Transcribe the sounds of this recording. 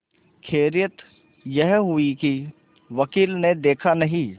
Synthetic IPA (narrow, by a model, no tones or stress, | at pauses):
kʰeːɾjət̪ | jɛɦɦʊiki | ʋɐkiːlned̪eːkʰanɐɦĩ